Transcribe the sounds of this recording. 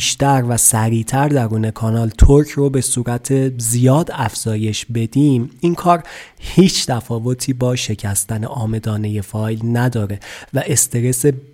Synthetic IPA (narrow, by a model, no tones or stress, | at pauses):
ʃt̪æɾvæsæɾiːt̪ʰæɾd̪æɾuːne̞kʰɒnɒːlt̪ʰoɾcʰrobe̞suːɾæt̪ʰe̞zijɒːd̪æfz̥ɒːje̞ʃbe̞d̪iːmiŋkʰɒːɾhiːt͡ʃʰt̪ʰæfɒːvo̞t̪ʰiːbɒːʃe̞cʰæst̪ænḛʔɒːme̞d̪ɒːne̞je̞fɒːjlnæd̪ɒːɾe̞væʔe̞st̪ʰe̞ɾe̞se